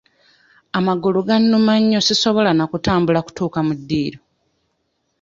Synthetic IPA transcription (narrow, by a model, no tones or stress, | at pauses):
amaɡuluɡanːumaɲːo̞sisoβo̞lanakutaːmbulaku̥tuːkamudːiːɾo